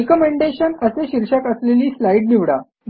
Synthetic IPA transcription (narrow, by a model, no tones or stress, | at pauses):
ekəmeɳɖeɕənəseɕiɾɕakəsleliːslajɖniʋɽa